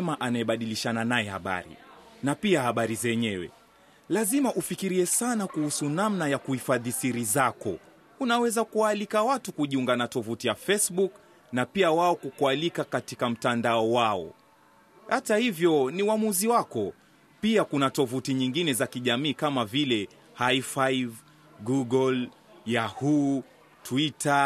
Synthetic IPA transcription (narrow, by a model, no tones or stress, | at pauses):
ɛmaʔanaɛɓaɗiliʃananajɛha̰ɓa̰ɾḭnapiahaɓaɾizɛɲɛwɛ̰ | lazimaʔufikiɾiɛsanakuhusunamnajakuhifaðisiɾizakɔ̰ | unawɛzakuwaːlikawatukuʄiuŋɡanatɔvutijafɛsɓuk | napiawaɔkukualikakatikam̩tandaɔwaɔ̰ | hatahivjɔniuamuziwakɔ | piakunatɔvutiɲiŋɡinɛzakiʄamiːkamavilɛ | haifaiv | ɡuɡɔl | jahu | twita